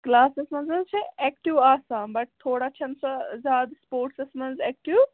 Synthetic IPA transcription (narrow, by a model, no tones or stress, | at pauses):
klaːsesmɐnzɐzt͡ʃʰeɛkʈiʋaːsaːmbɐʈ̚t̪ʰːoːɽat͡ʃʰɐnsazʲjaːd̪spoːɾʈsesmɐnzɛːk̚ʈiw